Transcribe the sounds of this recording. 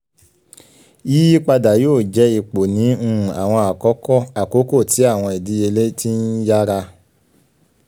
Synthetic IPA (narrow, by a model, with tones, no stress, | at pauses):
i˦i˦k͡pa˧da˨joː˦˨d͡ʒɛ˦i˧k͡po˨nĩ˨˦˧a̰˨w̃ɔ̃˧a˨kɔ˨˦kɔ˦˨a˨ko˨˦ko˦˨ti˨˦a˦˨w̃ɔ̃˧ɛ˨di˨˦e˧le˦ti˦n̩˦ja˦ɾa˧